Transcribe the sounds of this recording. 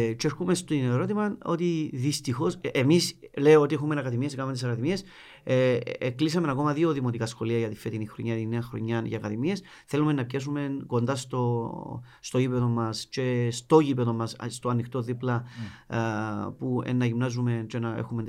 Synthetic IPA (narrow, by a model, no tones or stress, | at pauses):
t͡ʃeeɾxumest̪ineɾo̞t̪imɐo̞̰t̪iðist̪ixo̞semisle̞oo̞t̪iexume̞nɐkɐðimie̞skament̪isɐkɐðimie̞s | eklis̬ɐme̞nɐko̞mɐðio̞ðimo̞t̪ikɐsxo̞liɐʝɐt̪ife̞t̪inixɾo̞̰ɲːat̪inːe̞ɐxɾo̞̰ɲːɐnʝɐkɐðimie̞s | θe̞lume̞nːɐpçes̬ume̞nko̞nd̪ɐst̪o̞ː | t̪oʝipeðo̞mːɐst͡ʃe̞st̪o̞ʝipeðo̞mɐsst̪oɐnːixt̪o̞ðiplɐ | puḛnːɐʝimnɐzume̞nt͡ʃe̞nɐḛxume̞n